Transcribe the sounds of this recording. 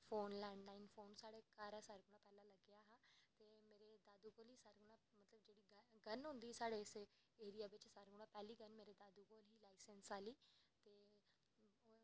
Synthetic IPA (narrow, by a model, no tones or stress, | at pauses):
fʰoːnlɛ̃ːɳɖlaːinfoːnsaːɽekaːɾasaːɾɡʊɽ̃ãːpɛːlãləɡjaːɦaːt̪eːmeːɾed̪aːd̪uɡoːlɦiːsaːɾɡʊɽ̃ãːmət̪ləbd͡ʒeːɽiːɡəɡənɦʊ̃nd̪iːsaːɽeseːɾijaːʋɪt͡ʃsaːɾɡʊɽ̃ãːpɛːliːɡənmeːɾed̪aːd̪uːɡoːlɦiːlaːɪsə̃nsaːliːt̪eː